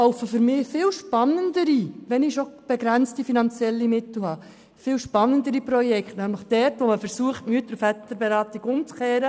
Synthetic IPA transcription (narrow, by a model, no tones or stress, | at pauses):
lɔʊfəfʏɾmɪːfɪːlʃpɑnːəndəɾiʋɛnɪʃob̥ɛɡɾænt͡stifinɑnt͡sjɛlːimɪtl̩hɑː | fɪːlʃpɑnːəndəɾipɾɔjɛkχtnæmləχd̥ɛɾtʋoməfəɾsuəχtmyətəɾfɛt̪əɾbɛɾɑːtiɡ̥ʊmt͡skɛːɾə